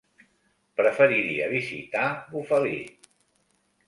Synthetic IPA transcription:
pɾəfəɾiɾḭə̰βizḭt̪aβufəlḭ

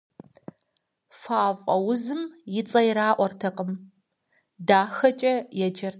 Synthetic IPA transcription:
faːfʼɐwʊzɨmjɪt͡sʼɐjɪɾaːʔʷɔrtʰɐqʼəm | daːxɐt͡ʃʼɐjɛd͡ʒɐr

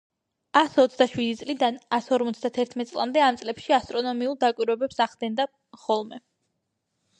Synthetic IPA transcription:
asɔt̪sʰd̪aʃwid̪it̪sʼlid̪anasɔɾmɔt̪sʰd̪at̪ʰɛɾt̪ʰmɛt̪sʼlˠa̰md̪ɛamt̪sʼlɛpʃiast̪ʼɾɔnɔmiulˠd̪akʼwiɾwɛbɛpsaʁd̪ɛnd̪a | χɔlˠmɛ

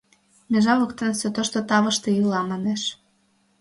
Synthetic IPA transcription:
mʲeʒɑβɤkt̪ensot̪oʃt̪ot̪ɑβə̆ʃt̪ejylɑmɑneʃ

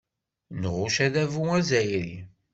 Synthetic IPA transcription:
nʁuʃæðævuæzæjɾi

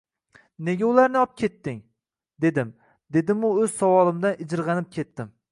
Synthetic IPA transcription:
ne̞ɡʲaʊlˠaɾnɪɒp̚kʲʰe̞t̪ːɪŋ | d̪e̞d̪ɪm | d̪e̞d̪ɪmʊɵz̥sawɒlˠɪmd̪anɪd͡ʒɪɾʁɑnɪp̚kʲʰe̞t̪ːɪm

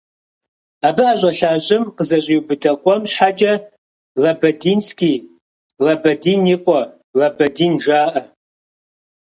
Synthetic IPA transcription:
aːbɨʔaʒʷʼɐɬaːʒʼɪmqəzɐɕʼiubɨdɐqʷʼɔmɕħad͡ʒɐ | lɐbɐdiːnskʲiː | lɐbɐdiːniqʷʼɔ | lɐbɐdiːnʒaːʔɐ

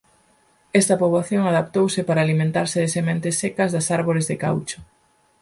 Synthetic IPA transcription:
ɛst̪ɐpoβlaθjoŋaðap̚t̪owsɪpaɾaːlimẽnt̪aɾsɪðesemẽnt̪ɪsːekɐzðɐsaɾβoɾɪzðɪka̰wt͡ʃʊ̥

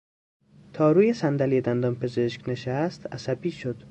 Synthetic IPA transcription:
t̪ʰɒːɾuːjesænd̪ælied̪ænd̪ɒnpʰezeʃkneʃæst̪æsæbiːʃod̪̥

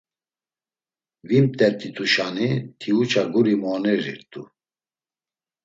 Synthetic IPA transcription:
vimt̪ʼɛɾt̪ʰʼit̪ʰuʃanit̪ʰiut͡ʃʰaɡuɾimɔnɛɾḭɾt̪ʼu

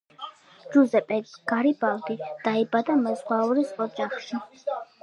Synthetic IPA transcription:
d͡ʒuzɛpʼɛɡ̥aɾibald̪id̪̥aibad̪amɛzvauɾisɔd͡ʒaχʃi

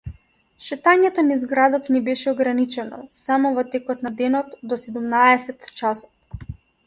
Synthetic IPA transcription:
ʃɛt̪aɲɛt̪ɔnizɡɾad̪ɔt̪nibɛʃɛɔɡɾanit͡ʃɛnɔ̰samɔvɔt̪ɛkɔt̪nad̪ɛnɔt̪d̪ɔsɛd̪umnaɛsɛt̪t͡ʃasɔ̥t̪

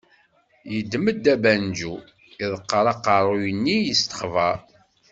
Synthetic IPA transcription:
jəd̪ːməd̪ːæbænd͡ʒu | iðˤəqːəɾˤɑqːɑɾˤujənːijəst̪ə̥χvæ

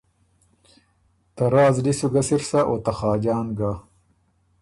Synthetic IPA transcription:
t̪ɐɾaːzɖisuɡɐsiɾsaʔoːt̪ɐxɑːd͡ʑaːnɡaː

